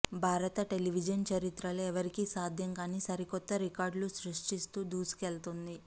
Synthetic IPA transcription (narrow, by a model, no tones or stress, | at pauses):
bʱaːɾɐt̪ɐʈe̞liʋid͡ʒɐnt͡ʃɐɾit̪ɾɐloɛʋɐɾikisaːd̪ʱjɐŋkaːniːsɐɾikɔt̪ːɐɾikaːɾɖlusɾuʂʈist̪uːd̪uːsi̥kelt̪und̪i